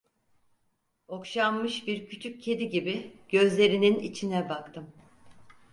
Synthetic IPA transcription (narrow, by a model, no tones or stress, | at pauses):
o̞kʃamːɯʃbiɾcʰyt͡ʃʰyc̚cʰːe̞d̪iɟibiɟ̥ø̞zlʲe̞ɾininḭt͡ʃʰinɛbakt̪ʰɯm